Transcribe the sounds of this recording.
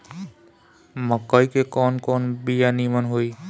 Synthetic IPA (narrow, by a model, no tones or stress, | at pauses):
məkəjkekɔnkɔnbijanimənɦoi